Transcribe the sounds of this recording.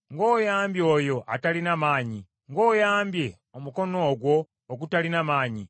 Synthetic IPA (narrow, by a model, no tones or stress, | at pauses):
ŋɡo̞ːjaːmbjo̞ːjo̞ʔa̰talinamaːɲi | ŋɡo̞ːjaːmbje̞ | omuko̞no̞ːɡwo̞ː | ɡutalinamaːɲi